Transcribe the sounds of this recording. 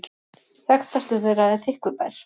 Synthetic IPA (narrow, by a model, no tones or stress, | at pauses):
θɛxt̪ast̪ʏθejraðɛθʰɪhkvʏpɛɾ̥